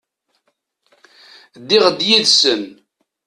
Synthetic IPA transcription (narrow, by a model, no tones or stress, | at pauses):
d̪ɪʁd̪jiðsən